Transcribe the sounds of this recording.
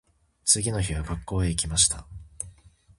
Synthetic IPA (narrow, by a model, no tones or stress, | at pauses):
t͡sɨɡʲino̞çiβaɡakːo̞ːe̞ikʲimaɕi̥t̪a